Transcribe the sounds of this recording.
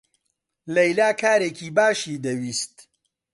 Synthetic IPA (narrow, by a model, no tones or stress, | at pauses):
lɐjlaːkʰaːɾeːkʰiːbaːʃiːd̪ɐwiːst̪